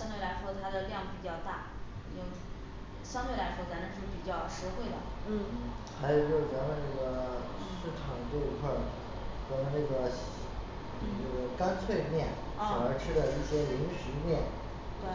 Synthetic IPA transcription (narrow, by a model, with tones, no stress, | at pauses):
ɕɑ˥ŋt̪we˥˩ɪla˧˥ɪʂwɔ˥t̪ʰa˥d̪ə˨ljɑ˥˩ŋpi˨˩t͡ɕjɑ˥˧ʊt̪a˥˩ | jʊ˥˩ŋ | ɕjɑ˥ŋt̪we˥˩ɪla˧˥ɪʂwɔ˥˩t͡sa˧˥nə˧˩˥ʂɻ̩˥˩pi˨˩t͡ɕjɑ˥˩ʊʂɻ̩˧˥xwe˥˩ɪd̪ə̰˩˥˩ | xa˧˥ɪjo˨˩jo˥˩ʊt͡sa˧˥nə˧na˥˩ɡə˩ | ʂɻ̩˥˩ʈ͡ʂʰɑ˨˩ŋt̪we˥˧ɪ˧˥kʰa˥˩ | t͡sa˧˥nə˧na˥˩ɡə˩ | nə˥˩ɡə˩ka˥nt͡sʰwe˥˧ɪmjɛ˥˩n˥˧˩ | ŋə˞˧˥ʈ͡ʂʰɻ̩˥lə˧i˥˩ɕjɛ˥li˧˥ŋʂɻ̩˧˥mjɛ˥˩n | t̪we˥˩ɪ